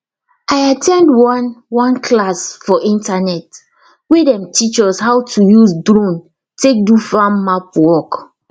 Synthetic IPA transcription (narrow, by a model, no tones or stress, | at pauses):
ajatʰɛ̃ndwɔnwɔ̃nkʰlasfɔʔĩntanɛt | wedɛ̃mtʰit͡ʃɔshawtʰujusdɾõn | tek̚dufãmːapwɔk